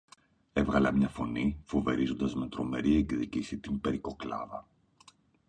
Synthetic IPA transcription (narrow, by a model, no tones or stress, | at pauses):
e̞vɣɐlɐmɲɐfo̞nifo̞ve̞ɾizo̞nd̪ɐzme̞t̪ɾo̞me̞̰ɾiekðicisit̪imbe̞ɾiko̞klɐ̰vɐ